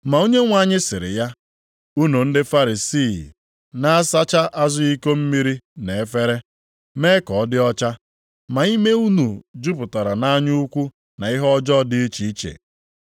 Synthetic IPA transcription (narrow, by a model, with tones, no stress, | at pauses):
ma˨u˦ɲe˦ŋʷa˦˨ɲɪ˦sɪ˨ɾɪ̰˨ja˦ | u˦nu˨n̩˦dɪ˦fa˦ɾi˨si˦˨ | na˦a˦sa˦t͡ʃa˦ʔa˦zʊ˦i˦ko˦m̩˦mi˦ɾi˦ne˨e˦fe˦ɾe˦ | me˦kɔ˨ɔ˦dɪ˦ɔ˦t͡ʃa˦ | ma˨i˦me˦u˦nu˨d͡ʒu˦pʊ˨ta˨ɾa˨na˦ɲu˦u˦kʷu˦ | na˨ɪ˦ɦɔ˦d͡ʒɔ˦dɪ˦i˦t͡ʃi˨i˦t͡ʃḛ˨